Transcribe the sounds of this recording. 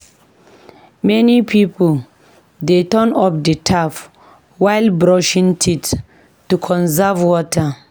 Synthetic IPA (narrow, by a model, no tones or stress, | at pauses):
mɛnipʰipol | detɔ̃nɔp̚dətʰaf | wajlbɹɔʃĩntʰit | tːukʰɔ̃nzavwɔtʰa